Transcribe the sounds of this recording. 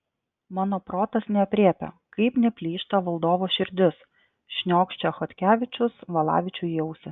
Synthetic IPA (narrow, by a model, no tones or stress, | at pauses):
mɑːnoːpɾoːt̪ɐsnʲɛɐpʲɾʲiːpʲo̰ | kɐɪpnʲɛpʲlʲiːʃt̪ɐʋɐlˠd̪oːʋoːʃʲɪɾʲd̪ʲɪs | ʃʲnʲoːkʃʲt͡ʃʲɛxɔt̪ʲkʲæːʋʲɪt͡ʃʲʊsʋɐlˠɑ̰ːʋʲɪt͡ʃʲʊjɛʊsʲɪ